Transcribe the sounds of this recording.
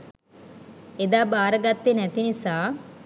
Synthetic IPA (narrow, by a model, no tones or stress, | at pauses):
ed̪aːbaːɾəɡat̪ːenæt̪inisaː